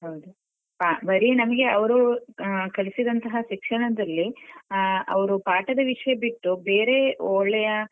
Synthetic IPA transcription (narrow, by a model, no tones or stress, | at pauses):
ɦɐwd̪u | pabɐɾinɐmɐɡe̞ɐʋɐɾu | kɐɭisid̪ɐnt̪ɐɦɐʃikʂɐɳɐd̪ɐlːi | ɐ̰ʋɐɾupaːʈɐd̪ɐʋiʂɐjɐbiʈːube̞ːɾe̞oːɭɛjɐ